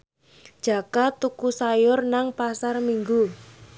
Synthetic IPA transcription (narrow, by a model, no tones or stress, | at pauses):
d̥ʒ̥a̤kat̪ukusajʊrnaŋpasarmiŋɡu